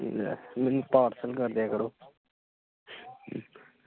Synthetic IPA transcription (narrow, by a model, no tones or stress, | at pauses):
mɛnupaːɾsəlkəɾd̪eːkəɾoː